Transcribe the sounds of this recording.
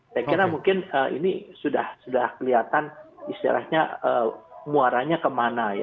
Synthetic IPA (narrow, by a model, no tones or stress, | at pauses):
jakiɾamuŋkɪnəḭnisuda̰hsudahkəliat̪anist̪ḭɾʔa̰hɲaəːmuaɾaɲakəmanaja